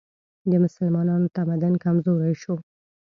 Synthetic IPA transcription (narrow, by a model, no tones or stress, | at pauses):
d̪əmʊsəlmɑnɑnot̪amad̪ankamzoɾajʃo